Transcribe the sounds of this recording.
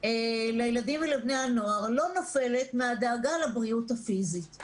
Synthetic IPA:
elejeladimelebnejano̞aʁlo̞nofe̞le̞tmead̪eːɡalabʁiutafizit

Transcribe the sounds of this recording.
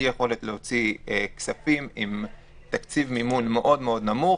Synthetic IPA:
jeχo̞le̞t̪leo̞t͡sieksafimim | t̪akt͡sivmimunme̞ʔo̞d̪meo̞d̪namu

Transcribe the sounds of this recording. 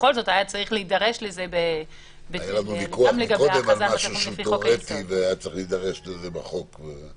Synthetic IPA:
ko̞lzo̞thajat͡saʁiχleidaʁe̞ʃlezebe | beajalanubikuaamleɡaboeazamaʃauʃefiooket̪iveajat͡saʁiχlid̪aʁeʃlezebaχo̞kbe

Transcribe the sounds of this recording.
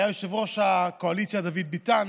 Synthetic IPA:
jajoʃevʁo̞ʃako̞alit̪sjad̪avid̪̚bit̪an

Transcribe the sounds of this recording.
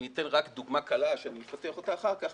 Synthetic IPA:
nit̪enʁakd̪uɡmakalaʃeanimefat̪eaχo̞t̪aːχaʁkaχ

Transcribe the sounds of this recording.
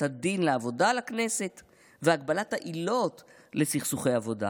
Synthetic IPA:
hadinleavo̞dalakne̞se̞t | veaɡbalathaʔilo̞t | le̞siχsuχejavo̞da̰

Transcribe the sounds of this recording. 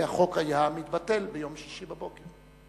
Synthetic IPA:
aχo̞kajamit̪bate̞lbejo̞mʃiʃibabo̞keʁ

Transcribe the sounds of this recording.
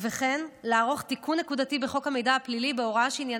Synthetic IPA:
veχenlaːʁo̞χt̪ikunːe̞kudatibe̞χo̞khame̞jdahaplilibeo̞ʁaʃeinja

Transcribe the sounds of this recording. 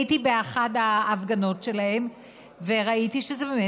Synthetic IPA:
itibeaχadhaːvɡano̞tʃe̞lahem | veʁaitiʃezebeme

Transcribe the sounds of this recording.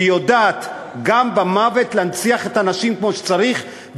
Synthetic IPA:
jodaːt̪ | ɡambamave̞tleant͡siaχe̞tanaʃimkmo̞ʃe̥t͡saʁiχ | b

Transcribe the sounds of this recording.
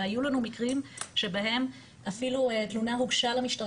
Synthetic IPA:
ajulanumikʁimʃe̞bahe̞m | afiluet̪lunaʁuɡʃalamiʃta

